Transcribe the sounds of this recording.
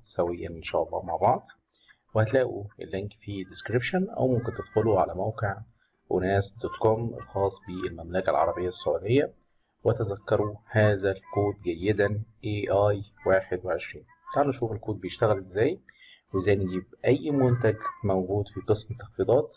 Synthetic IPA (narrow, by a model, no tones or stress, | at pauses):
sæwejːæ̰nʔenʃæ̰ːʔɑlˤːɑ̰ːmaʕbɑʕd̪ˤ | wehæt̪læːʔuʔḛlːeŋkfid̪eskɾibʃʊnʔæ̰wmʊmkent̪ed̪̥xoluʕa̰læmæwqeʕ | ʔonæːsd̪ot̪komḛlxɑːsˤbiʔelmæmlækælʕɑ̰ɾˤɑbejːæsːoʕud̪ejːæ | wæt̪æzækːɑɾˤuhæːzælkoːt̪̚ɡæjːed̪ænʔeʔɑːjwaːħed̪weʕeʃɾiːn | t̪ˤɑʕlnʔæʃuːfelkoːt̪̚bejeʃt̪æɣælʔezːæːj | wezːæːjneɡiːbʔæjːmʊnt̪̬æɡmæwɡuːd̪fiqɨsmet̪ːɑxfiːd̪ˤɑːt̪